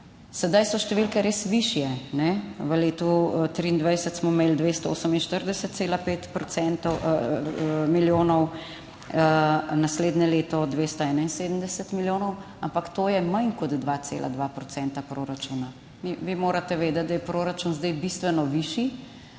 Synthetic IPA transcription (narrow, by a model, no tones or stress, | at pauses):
sɛd̪ajsɔʃt̪ɛʋilkɛɾeːsʋiʃjɛnɛʋəleːt̪ut̪ɾiːnd̪ʋajsət̪smɔmeːld̪ʋeːst̪ɔo̰səminʃt̪əɾd̪ɛsət̪seːlapeːt̪pɾɔtsɛnt̪ɔ | miljoːnɔw | nasleːd̪nɛleːt̪ɔd̪ʋeːst̪ɔɛːnainseːd̪əmd̪ɛsət̪miljoːnɔw | ampakt̪oːjɛmankɔd̪d̪ʋat̪sḛːlʔa̰d̪ʋapɾɔsɛnt̪apɾoɾat͡ʃuːna | miʋimoːɾat̪ɛʋeːd̪ɛt̪̚d̪ajɛpɾoːɾat͡ʃunzd̪ajbist̪ʋɛnɔʋiːʃi